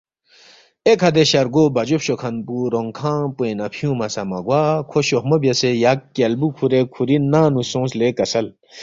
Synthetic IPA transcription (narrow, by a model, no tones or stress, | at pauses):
ekʰɐd̪eɕɐɾɡobɐd͡ʒopɕokʰɐnpuɾoŋkʰãːpuẽnɐpʰijũmɐsɐmɐɡwaːkʰoɕohmɐbjɐsejakːelbukʰuɾekʰuɾinːaːnusõːslekɐsɐl